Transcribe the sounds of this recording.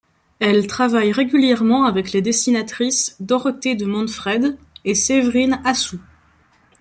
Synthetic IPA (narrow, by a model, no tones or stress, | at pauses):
ɛlt̪χavajʁeɡʲyljɛʁmɑ̃avɛkled̪esinat̪χisd̪ɔʁt̪ed̪əmɑ̃nfχɛd̪ | esevʁinasu